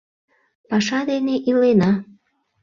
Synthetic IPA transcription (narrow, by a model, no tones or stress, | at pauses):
pɑʃɑd̪eneʔilenɑ